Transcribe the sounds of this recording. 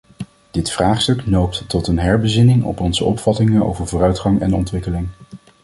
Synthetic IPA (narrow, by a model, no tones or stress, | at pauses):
d̥ɪtfraːχstɵknowp̚ttɔtənɦɛɹbəzɪnɪŋɔ̰pɔnzəʔɔ̰pfɑtɪŋəno̰wvəɹvʊːrœɥtχɑŋɛ̰nɔ̰ntʋɪkəlɪŋ